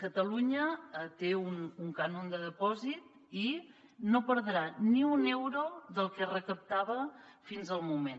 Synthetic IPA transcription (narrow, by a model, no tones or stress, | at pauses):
kət̪əluɲəət̪eunuŋkanond̪əðəpɔzit̪ | i | nopəɾðɾaniunɛwɾoðəlˠkərəkəp̚t̪aβəfinzəlˠmumen